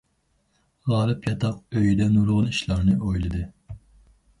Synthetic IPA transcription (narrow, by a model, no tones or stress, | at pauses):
ʁɑːlˠɨpʰjɑt̪ʰɑq̚øjd̪ɛnulʁʊniʃlˠɑɾnɨʔojlˠɨd̪ɨ